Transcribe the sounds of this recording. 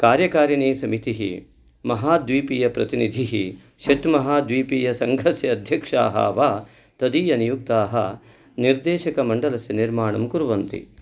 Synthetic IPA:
kaːɾjɐkaːɾjɐɳeːsɐmit̪iɦḭ | mɐɦaːd̪ʋiːpijɐpɾɐt̪inid̪ʱiɦi | ʃɐʈmɐɦaːd̪ʋiːpiːjɐsɐŋɡʱɐsjɐːd̪ʱjɐkʂa̰ːɦɐ̰ːʋaː | t̪ɐd̪iːjɐnijuk̚t̪aːɦɐ | niɾd̪eːʃɐkɐmɐɳɖɐlɐsjɐniɾmaːɳɐmkuɾʋɐnt̪ḭ

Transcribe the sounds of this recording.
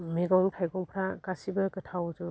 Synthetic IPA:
meɡɔŋtʰajɡɔŋpʰɾakasibɯkɯtʰawd͡ʒu

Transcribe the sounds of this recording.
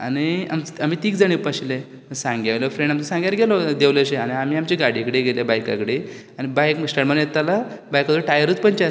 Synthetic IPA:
a̰nia̰mam̤iːt̪iːkd͡zaɽ̃epaɕile | sãŋɡaʋlɔfɾẽɳɖamt̪ɔsãŋɡjaɾɡelɔd̪eʋleɕeaniam̤iːamt͡ɕiɡaɽikɽeɡelebajka̰kɽe | añibajkməsʈəɽmənjet̪ala | bajkat̪uɾʈajəɾət͡spəɳt͡ɕaɾ

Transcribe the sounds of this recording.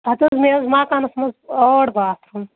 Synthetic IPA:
ɦɐt̪ɐzmezmaːkanɐsmɐzoɽbaːt̪ʰum

